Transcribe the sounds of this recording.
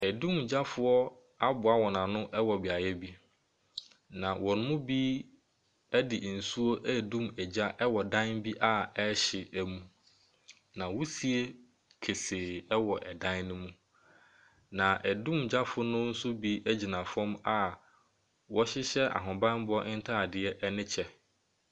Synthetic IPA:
æ˨dũ˦md͡ʑa˦fʊ˦ɔ˦ | a˦bʊ˨a˦wɔ˨nã˨nʊ̃˦ʔɛ˦wɔ˨bɪ˨a˨jɛ˦bi˦ | nã˨wɔ˨nʊ̃˦mʊ̃˦biː˦ | æ˦dɪ˨n̩˨su˦o˦ʔɛ˦˨dũ˦˨mɛ˨d͡ʑa˦ʔɛ˦wɔ˨dã˦nbi˦ʔa˦ɛ˦ɕɪ˨ʔæ˨mũ˦ | nã˨wu˦si˨e˦ | kʰe˨seː˨ɛ˦wɔ˨ʔɛ˨dã˦nʊ̃˦mũ˦ | nã˨ʔæ˨dũ˦md͡ʑa˦fʊ˦nʊ̃˦n̩˦sʊ˦bi˦ʔæ˦d͡ʑi˨nã˨fɔ̃˦ma˦ | wɔ˦ɕɪ˦ɕɛ˦ʔa̰˨ɦʊ̃˨bã˦n˦bʊ˦ɔ˦ʔɪ˦n̩˦tʰa˦a˨dɪ˨ɛ˦ʔɛ˦nɪ̃˦t͡ɕʰɛ˦

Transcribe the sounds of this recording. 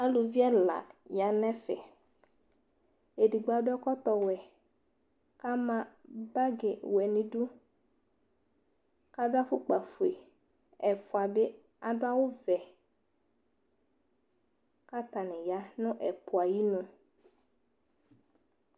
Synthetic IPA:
a˦lʊ˨vi˦a˦˨la̰˨ja˨˦nɛ̃˦fɛ̰˨ | e˨di˨ɡ͡ba˨dʊ˦ɛ˦kɔ˦t̪ɔ˨wɛ˨ | ka˦mã˨ba˦ɡɪ˨wɛ˨nɪ̃˨dʊ˦ | ka˦dʊ˦a˦fʊ˦k͡pa˨fu˨e˨ | ɛ˨fʊ˨a˨bɪ˦ | a˨dʊ˦a˦wʊ˦vɛ˨ | ka˦t̪a˨nɪ̃˨ja˦nʊ̃˦ʔɛ˨pʊ˨a˨ji˦nʊ̃˨

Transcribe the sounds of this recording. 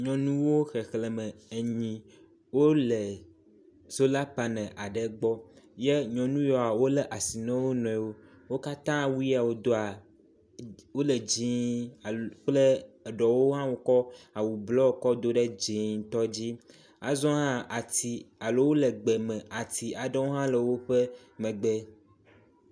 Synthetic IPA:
ɲɔ̃˨nũ˦wo˦xe˨xlɛ˨mə˨e˨ɲĩ˨ | wo˦lə˨ | z̥o˦la˦pa˨nɛ̃˨ʔa˨ɖə˨ɡ͡bɔ˦je˦ɲɔ̃˨nũ˦jɔ˨a˨wo˦lə˦ʔa˨si˨nɛ̃˦wo˦nɔ̃˨wo˦ | wo˦ka˦t̪ã˦wu˦i˦a˨wo˦d̪o˦a˨ | wo˦lə˨d͡ʑi˨a˨k͡plə˦˨ɖɔ˨wo˦ɦã˦wo˨kɔ˦a˨wu˨blɔ˦wo˨˦kɔ˦d̪o˦ɖə˦d͡ʑĩ˨ŋt̪ɔ˦d͡ʑi˦ | a˨zɔ̃˦ɦã˦ʔa˨t̪i˨a˨lo˦wo˦lə˨ɡ͡be˨mɛ̃˨ʔa˨t̪i˨a˨ɖə˦wo˦ɦã˦lə˨wo˦ɸə˦ | mə̃˨ɡ͡bɛ˦

